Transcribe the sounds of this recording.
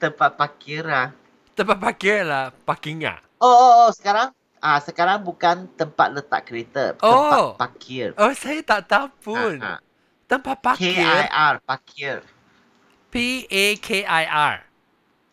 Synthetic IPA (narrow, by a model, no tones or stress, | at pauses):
t̪əmpat̪̚pakiɾah | t̪əmpat̪̚pakiɹlahpakiŋa̰ | ooosə̥kaɾaŋ | ʔasəkaɾaŋbukant̪əmpa̰t̪̚lət̪a̰ʔ̚kəɾet̪ə̰oapakʰɪrosajat̪aʔt̪awpun̰ | t̪əmpat̪̚paiarpakʰir | piekʰeʔajʔaɹ